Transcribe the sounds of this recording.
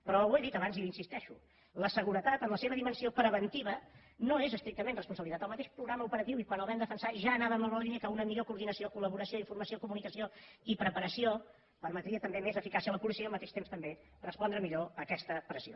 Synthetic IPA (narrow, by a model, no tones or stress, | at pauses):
pɾɔweðit̪əβanziinsist̪ɛʃu | ləsəɣuɾət̪at̪ənləseβəðimənsiopɾəβənt̪iβ̞ə | noezəst̪ɾik̚t̪əmẽnrəspunsəβlit̪at̪əlˠmət̪eʃpɾuɣɾaməupəɾət̪iwikwənəlˠβɛmd̪əfənsaʒaːnaβəːməlˠβolliniəkəunəmiʎokuːɾðinəsiokuləβuɾəsioiɱfurməsiokumunikəsioipɾəpəɾəsio | pəɾmət̪ɾiət̪əmbemezəfikasiələpulisiəlˠmət̪eʃt̪emst̪əmbe | rəspɔnd̪ɾəmiʎoəkɛst̪əpɾəzio̰